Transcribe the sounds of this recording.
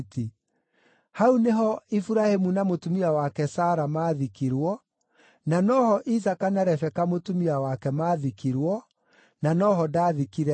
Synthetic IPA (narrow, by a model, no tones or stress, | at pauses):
ti | hauneɦɔifuɾahemunamotumiawakɛsaːɾamaːðikiɾwɔ | nanɔhɔʔisakanaɾɛfɛkamotumiawakɛmaːðikiɾwɔ | nanɔɦɔdaːðikiɾɛ